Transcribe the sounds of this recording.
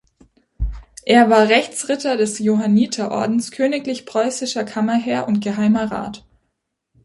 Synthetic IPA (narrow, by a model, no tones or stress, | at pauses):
ʔeːɐvaːɐʁɛçt͡sʁɪtɐdɛsjoɦaniːtʰɐʔɔ̰ɐdn̩skʰøːnɪklɪçpʁ̥ɔʏsɪʃɐkʰamɐɦɛːɐʔʊntɡ̥əɦaɪmɐʁa̰ːt